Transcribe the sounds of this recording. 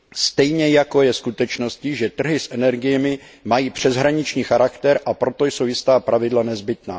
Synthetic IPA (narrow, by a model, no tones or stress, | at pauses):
st̪ɛjɲɛjako̞jɛskut̪ɛt͡ʃno̞scɪʒɛt̪r̩ɦɪsʔɛnɛɾɡɪjɛmɪ | majiːpr̝̥ɛzɦɾaɲɪt͡ʃɲiːxaɾakt̪ɛɾʔapɾo̞t̪o̞jsowjɪst̪aːpɾavɪdlanɛzbɪt̪na̰ː